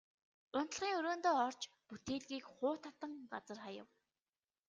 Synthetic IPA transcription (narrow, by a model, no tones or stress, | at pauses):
ʊnt̪ə̆ɮʁiːŋɵɾoːnt̪oːɔrt͡ɕ | put̪eːɮɣiːkχʊːt̪ʰat̪ə̆ŋɢat͡sə̆rχajə̰̆w